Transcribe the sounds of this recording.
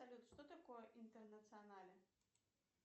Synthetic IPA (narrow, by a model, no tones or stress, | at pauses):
sɐlʲut̪ʂt̪ot̪ɐkojəʔint̪ərnət̪sɨɐnalʲɪ